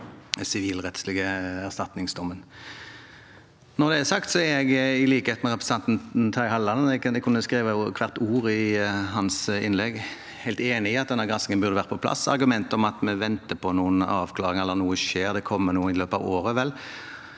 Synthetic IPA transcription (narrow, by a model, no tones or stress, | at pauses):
sɪʋiːlʁɛt̪slɪɡəæʁst̪ɑt̪nɪŋsd̪ɔmːən | nɔʁd̪ɛæsɑkt̪sɔæɾjɛɡɪliːkəhet̪mɛɾɛpɾɛsɑnt̪n̩t̪ʰɑɪhɑlːɑnɛɛkʰʊnːəskɾiːʋəkʰʋɑʁt̪uːɾɪɦɑnsɪnlɛɡ | hæɪlt̪eːnɪɪɑt̪d̪ɛnɑɡɑsɪŋənbʉʁd̪əʋæːʁəpʰɔpʰlɑ̰sɑ̰ɾɡʉmɛnt̪ɔmɑt̪mɛʋɛnt̪əpʰɔnuːənɑːʋkʰlɑːʁɪŋɛlːəɾnuːəʃeːɾd̪ɛkʰɔmːənuːɪløːpɑʋoːɾəʋɛl